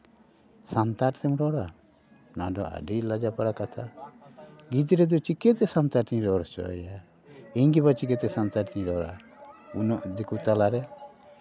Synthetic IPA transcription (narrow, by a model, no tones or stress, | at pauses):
sant̪aʈt̪ɛmɾɔɽa | na̰dɔ̰a̰ɖilad͡ʒapaɽakat̪ʰa | ɡit̪̬iɾɛd̪ut͡ʃikɛt̪ɛsant̪aɾt̪iɲɾɔɽɔt͡ʃɔ̰ja | iɲɡibat͡ʃik̬ɛt̪ɛsant̪aʈt̪iɲɾɔɽa̰ | unɔʔd̪ikut̪alaɾɛ